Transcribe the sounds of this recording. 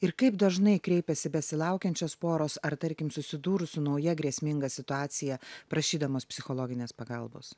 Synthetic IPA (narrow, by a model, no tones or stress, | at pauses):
ɪɾkɐɪpd̪ɐʒnɐɪkɾʲɛɪpʲɛsʲɪbʲɛsʲɪlˠɑˑʊkʲɛnʲt͡ʃʲoːspoːɾoːsɐɾt̪ɐɾʲkʲɪmsʊsʲɪd̪uːɾʊsʊnɒʊjɛɡɾʲiɛsʲmʲɪŋɡɐsʲɪt̪ʊɑːt̪sʲɪjɛpɾɐʃʲiːd̪ɐmoːspʲsʲɪxolˠoːɡʲɪnʲeːspɐɡɐlˠbo̰ːs